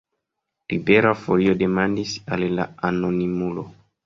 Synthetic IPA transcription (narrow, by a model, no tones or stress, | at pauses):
libeɾafoliodemandisalla̰anonimulo